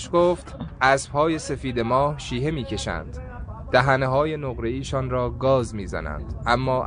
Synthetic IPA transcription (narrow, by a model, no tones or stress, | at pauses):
ʃɡoːft̪ʔæsb̥hɒːje̞se̞fiːd̪e̞mɒːhʃiːɦe̞miːcʰe̞ʃæ̰nd̪̥ː | æɦæneɦɒːje̞noɣɾe̞iːʃɒːnɾɒːɡɒːzmiːzæ̰næ̰nd̪̥ʔæmːɒː